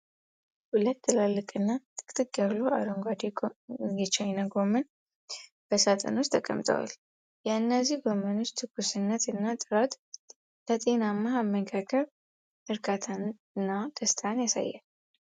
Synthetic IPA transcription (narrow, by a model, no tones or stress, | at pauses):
hulət̪ːɨlalːɨkʼɨnːat̪ʼɨ̥kʼt̪ʼɨkːjaβloʔa̰d̪oŋɡʷad̪eɡɛt͡ʃʰajnaɡo̞mən | b̥əsat̪ʼʰə̰nost̪ʰəkʼə̰mt̪ʼʰə̰wa̰l | jɛɨnːəzihɡomənot͡ʃt̪ʰɨɡusɨnːət̪ɨnːat̪ʼɨɾat̪ʼ | lət̪ʼe̞namːaamːəɡʰakʰəβ | ʔɨɾkʼat̪ʰan | ɨnːad̪̥əst̪ʰanjasa̰jːa̰l